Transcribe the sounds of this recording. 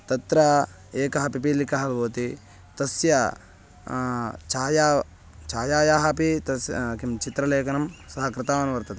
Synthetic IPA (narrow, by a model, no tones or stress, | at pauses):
t̪ɐt̪ɾɐ | eːkɐɦɐpipiːlikɐɦɐlboːt̪i | t̪ɐsjɐ | t͡ʃaːjaː | t͡ʃaːjaːjaːɦɐpit̪ɐskimt͡ʃit̪ɾɐleːkɐnɐmsɐɦɐkɾɪt̪aːɐnuʋɐɾt̪ɐt̪e